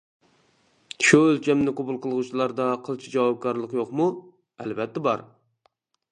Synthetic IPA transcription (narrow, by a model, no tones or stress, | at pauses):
ʃuølt͡ʃʲɛmnɪqobulˠqʰəlˠʁut͡ʃʰilˠɑɾd̪ɑqʰəlˠt͡ʃʰid͡ʒɑwɑp̚kʰɑɾlˠəqjoqmu | ɛlbɛt̪ːɛbɑɾ